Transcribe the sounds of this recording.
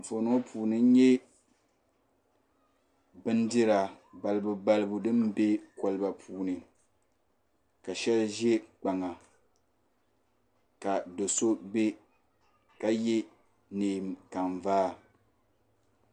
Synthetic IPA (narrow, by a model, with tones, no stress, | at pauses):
fo˨no˦o˦pʰuː˨nɨ˦ɲɛ˦ | bɨ˦ndɪ˦ɾa˨ | ba˨lɨ˨bu˨ba˦lɨ˦bu˨dɨ˦mbe˦ka˨lɨ˦ba˨pʰuː˨nɨ˨ | ka˨ʃɛ˦lʒɛ˦k͡pa˨ŋa˨ | ka˨do˨so˦be˦ | ka˦je˦ | neː˨m˨ka˨nvaː˦